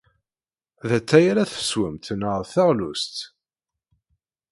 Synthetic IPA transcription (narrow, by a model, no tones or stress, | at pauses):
ðæt͡sːæjaɾæθə̥swəmt̪nəʁθæʁlust̪